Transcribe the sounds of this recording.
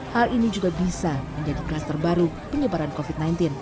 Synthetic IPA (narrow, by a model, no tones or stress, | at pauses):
halinid͡ʒuɡabisaməɲd͡ʒadiɡast̪ərbaɾu | pəɲəbaɾankofit̪̚najnt̪ɪn